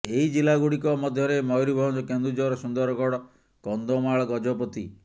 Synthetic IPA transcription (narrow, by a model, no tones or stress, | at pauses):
eid͡ʒilaɡuɽikɔmɔd̪ʱjɔɾemɔjɾibʱɔnd͡ʒɔkend̪ɾud͡ʒɔɾɔsund̪ɔɾɔɡɔɽɔ | kɔnd̪omaɭɔɡɔd͡ʒɔpɔt̪i